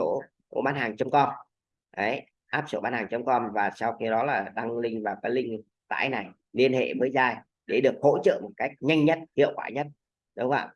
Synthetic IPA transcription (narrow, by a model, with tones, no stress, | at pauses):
o˧˩˧ | ɓaː˨˧˦nhaː˨˩ŋt͡ɕə˨˧˦wŋ͡mkɔ˧n | ʔə˨˦j | ʔaː˦˥p̚so̰˧˩ɓaː˧nhaː˨˩ŋt͡ɕə˨˦wŋ͡mkɔ˧nvaː˨˩sa˧wxi˧ɗɔ˨˦laː˨˩ɗa˧ŋlï˧ŋ̟vaː˨˩wkaː˨˦jlï˧ŋ̟ | t̪a̰ː˧˩jna˨˩j | li˧ənhḛ˧˨vəː˨˦jzaː˧˩j | ɗe˧˩ɗɨ˨˩ək̚ho̰˧˥t͡ɕə̰ː˧˨mo˨˩t̚ka˦˥jk̟̚ɲa˧jŋ̟ɲə˦˥t̚hḭ˧˨əwkwa̰ː˧˩ɲə˦˥t̚ | ɗʊ˨˦wŋ͡mʔa̰ː˧˨